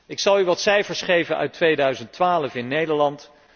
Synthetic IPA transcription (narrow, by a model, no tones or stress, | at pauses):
ɪksɑlˠyʋɑtsɛjfəɹsχejvənʔœ̰ɥtʋejdœɥzəntʋaːləfɪnːejdəɹlɑnt